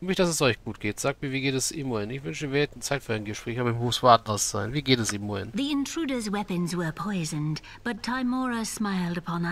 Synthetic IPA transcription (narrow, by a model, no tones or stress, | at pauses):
mɪçd̥asɛsɔʏçɡ̥uːt̚ɡ̥eːtz̥aːk̚tmiːɐviːɡeːtɛsɪmoɪnɪçvʏnʃiveɛtn̩t͡saɪtfyːaɪnɡəʃpʁ̥ɛːçhaːbɪmhuːsv̥aːdn̩dasz̥aɪnviːɡeːtɛsiːmoɪ̰nðiɪ̃ntʰɹ̥ʉɾə˞zwɛpɨ̃nzwə˞pʰɔɪzɨ̃n | b̥ʌtʰaɪmɔɹəsmaɪlˠdəpʰɑ̃nə